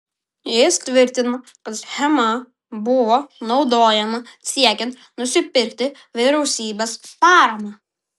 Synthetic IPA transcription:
jɪst̪ʲʋʲɪɾʲt̪ʲɪno | kɐt̪xʲɛmɐ | bʊʋonɒʊd̪oːjɛmɐsʲiɛkʲɛnt̪ | nʊsʲɪpʲɪɾʲk̚ʲt̪ʲɪ | ʋʲɪɾʲɛʊsʲiːbʲɛspɑːɾɐmɑ

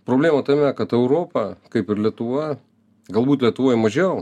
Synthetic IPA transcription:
pɾoːbʲlʲeːmɐt̪ɐmʲɛkɐt̪ɛʊɾoːpɐkɐɪpɪɾlʲiɛt̪ʊʋɐ | ɡɐlˠbuːt̪lʲiɛt̪ʊʋoːjmɐʒʲɛ

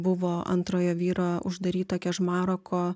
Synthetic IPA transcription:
bʊʋoːɐ̰nt̪ɾoːjoːʋʲiːɾoːʊ̰ʒd̪ɐɾʲiːt̪ɐkʲɛʃmɑːɾoːkʰoː

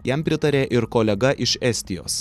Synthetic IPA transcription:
jɛmpʲɾʲɪt̪ɐɾʲeːʔɪɾkoːlʲɛɡɐʔɪʃɛsʲt̪ʲɪjo̰ːs

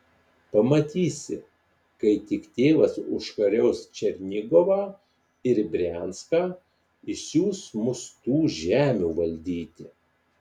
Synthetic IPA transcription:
pɐmɐt̪ʲiːsʲɪ̰ | kɐɪt̪ʲɪkt̪ʲeːʋɐsʊʃkɐɾʲɛʊst͡ʃʲɛɾʲnʲɪɡoʋɑː | ɪɾbʲɾʲæˑnskaː | ɪʃsʲjʲuːsmʊst̪uːʒʲæːmʲuːʋɐlʲd̪ʲiːt̪ʲɪ

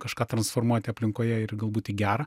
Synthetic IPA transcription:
kɐʃkɑːt̪ɾɐnsfoːrmuɔt̪ʲɪɐpʲlʲɪŋkoːjɛɪrɡɐlˠbuːt̪ʲɪɡʲæːɾɐ

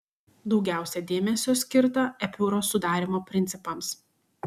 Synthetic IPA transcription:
d̪ɒʊɡʲæˑʊsʲɛd̪ʲeːmʲɛsʲoːsʲkʲɪɾt̪ɐɛpʲuːɾoːsʊd̪ɑːɾʲimoːpʲɾʲɪnʲt̪ʲɪpɐms

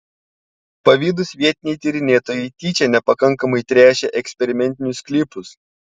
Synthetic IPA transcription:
pɐʋʲiːd̪ʊsʋʲiɛt̪ʲɪnʲɛjt̪ʲiɾʲɪnʲeːt̪oːjɛɪt̪ʲiːt͡ʃʲɛnʲɛpɐkɐŋˑkɐmɐɪt̪ʲɾʲæːʃʲɛʔɛksʲpʲɛɾʲɪmʲɛnʲt̪ʲɪnʲʊsklʲɪpʊs

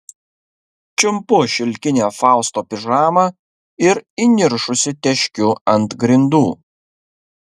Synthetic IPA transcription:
t͡ʃʲɪmpʊʃʲɪlʲkʲɪnʲeːfɑˑʊst̪oːpʲɪʒɑːmɐ | ɪɾinʲɪɾʃʊsʲɪt̪ʲɛʃʲkʲʊɐnt̪ɡɾʲɪnd̪uː

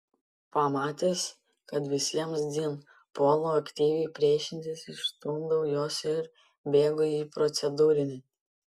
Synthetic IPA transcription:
pɐmɑːt̪ʲeːs | kɐt̪ʋʲɪsʲiɛmsd̪ʲin | poːlˠoːɐkʲt̪ʲiːʋʲɛɪpʲɾʲiɛʃʲɪnʲt̪ʲɪsɪʃt̪uːnd̪ɐʊjoːsɪɾ | bʲeːɡoːjiːpɾɔt̪sʲɛd̪uːɾʲɪnʲɪ

